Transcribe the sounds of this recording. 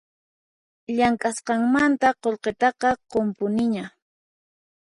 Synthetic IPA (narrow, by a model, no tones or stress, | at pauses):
ʎaŋkʼasqɑŋmant̪aqolqet̪ɑqɑqompʊnɪɲa